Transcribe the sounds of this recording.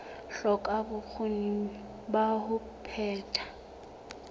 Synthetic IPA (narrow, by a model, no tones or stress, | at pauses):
ɬɔkʼabʊk͡xʰoni | bahʊ | pʰɛːtʰʼḁ